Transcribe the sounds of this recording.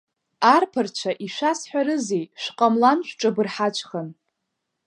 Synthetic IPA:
arpʰɨrt͡ʃʷʰaʔiʃʷasħʷᶣaɾɨzejʃʷqʼamlanʃᶣʷʈ͡ʂʼabɨrħat͡ʃʷʰʼχən

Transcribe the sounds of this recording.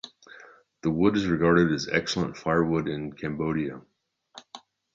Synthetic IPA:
ðəwʊɾɨzɹɨɡɑɹɾɨɾɨzɛ̰ksl̩ˠə̃ntfaɪə˞wʊɾɪ̃nkʰæ̃mboʊɾiɨ

